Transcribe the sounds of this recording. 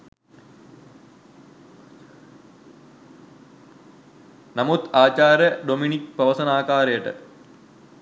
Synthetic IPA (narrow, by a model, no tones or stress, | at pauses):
nɐmut̪aːt͡ɕaːɾjɐɖominik̚pɐʋɐsɐnaːkaːɾɐjəʈə̰